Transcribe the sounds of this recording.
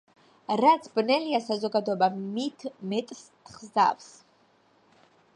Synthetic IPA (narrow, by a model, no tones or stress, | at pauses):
ɾat̪sʰbnɛliasazɔɡad̪ɔɛbamit̪ʰmɛt̪ʼs | χza̰fs